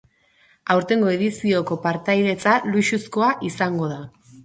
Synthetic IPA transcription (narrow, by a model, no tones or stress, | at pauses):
awɾt̪e̞ŋɡo̞e̞ðisio̞ko̞paɾt̪ajðe̞t͡saluʃusko̞aʔisaŋɡo̞ð̞a